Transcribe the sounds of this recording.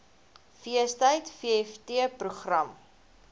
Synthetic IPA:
fiəstəjtfiəɛftiəpruχrɐm

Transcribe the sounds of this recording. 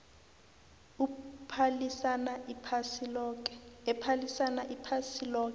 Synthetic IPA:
upʰalisanaipʰasilɔkɛpʰalisanaʔipʰasilɔːkɛ

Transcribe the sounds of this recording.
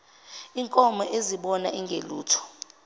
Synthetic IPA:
iŋkʼɔmɔʔeziɓɔnaʔiŋɡʱeluːtʰɔ̥

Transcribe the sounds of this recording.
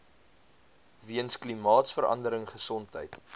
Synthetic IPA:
viənsklimɑːtsfəɾɐ̰ndəɾəŋχəsɔntɦə̰jt

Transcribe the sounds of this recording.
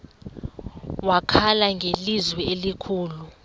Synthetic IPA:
wakʰalaŋɡʱelizwɛelikʰuːlu

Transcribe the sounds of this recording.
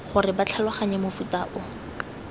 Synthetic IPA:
χʊrɪbat͡ɬʰalʊχaɲɛmofutaʔʊ

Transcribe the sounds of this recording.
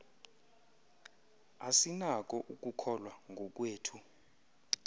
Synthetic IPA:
asinak̬ʼɔʔuk̬ʼukʰɔlwaŋɡʱɔk̬ʼweːtʰu

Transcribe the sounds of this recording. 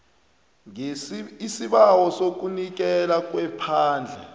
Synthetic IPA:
isiɓawɔsok̬unik̬ɛlak̬ʼwɛpʰaːnd͡ɮʱɛ

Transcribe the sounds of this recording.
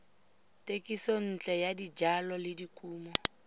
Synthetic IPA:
tʼekʼisɔn̩t͡ɬʼɛjadid͡ʒalɔlɪdikʼuːmɔ

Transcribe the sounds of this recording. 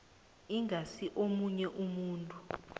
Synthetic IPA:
iŋʱasiʔomuɲɛʔumuːntʼu

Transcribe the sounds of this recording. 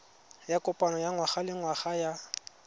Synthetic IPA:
jakʼʊpʼanɔjaŋwaχalɪŋwaχaja

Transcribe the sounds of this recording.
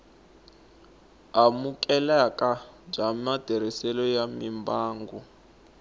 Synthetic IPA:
amukʼɛlakʼad͡ʒamad̥ʱɛɾisɛlɔjamimbaːŋɡɔ

